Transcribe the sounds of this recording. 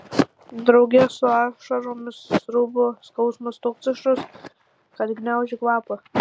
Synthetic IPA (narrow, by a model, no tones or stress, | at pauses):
d̪ɾɐʊɡʲɛsʊɑːʃɐɾomʲɪsɾʊbʊskɐʊsmʊst̪ʊkt͡s̪ɪʃʊs | kɐlʲɡʲnʲaʊʒʲɪklˠɑːpɐ